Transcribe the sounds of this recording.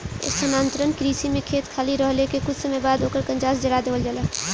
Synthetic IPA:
ḛsənaːnt̪ɾənkɾiːsimẽkʰeːt̪kʰaːliɾəɦlekekʊt͡ʃʰsəməbaːd̪oːkəɾkə̃nd͡ʒaːsd͡ʒəɾad̪eːʋəld͡ʒala

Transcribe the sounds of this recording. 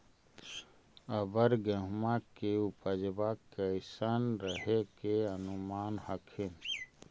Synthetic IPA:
əbəɾɡəɦmakeupəd͡ʒbakəɪsanɾəɦekeənʊmaːnhəkʰin

